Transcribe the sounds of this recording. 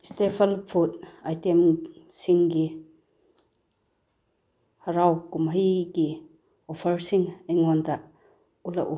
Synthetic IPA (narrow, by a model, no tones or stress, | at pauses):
stepʰɐlpʰutajtemsiŋɡi | haɾawkumɦəjɡi | ɔpʰɐɾsiŋeŋɔndaʔ | ulaʔu